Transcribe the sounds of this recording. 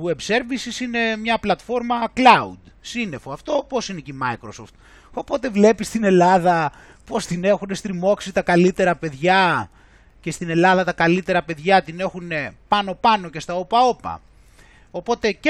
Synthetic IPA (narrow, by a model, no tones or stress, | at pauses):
ue̞bse̞ɾvisisine̞mɲɐplɐt̪fo̞ɾmɐklɐṵd̪ | sine̞foɐft̪o̞po̞sinecimɐjkɾoso̞ft̪ | o̞po̞t̪e̞vle̞pist̪ine̞lɐðɐ | po̞st̪ine̞xune̞st̪ɾimo̞ksit̪ɐkɐlit̪e̞ɾɐpe̞ðʝɐ | ce̞st̪ine̞lɐðɐt̪ɐkɐlit̪e̞ɾɐpe̞ðʝɐt̪ine̞xune̞pɐno̞pɐno̞ce̞st̪ɐopɐopɐ̰ | o̞po̞t̪e̞c